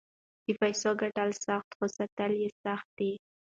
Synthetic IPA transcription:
d̪̥ifajsoɡaʈalsaxt̪xosat̪aljesaxt̪̚d̪e

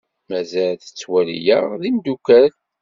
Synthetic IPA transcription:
mæzælθə̥t͡sːwælḭjæðimd̪ukæɾ

